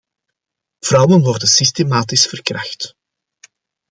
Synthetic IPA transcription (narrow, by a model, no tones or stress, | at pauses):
v̥rʌwənʋɔrdənsistemaːtɪsfərkrɑxt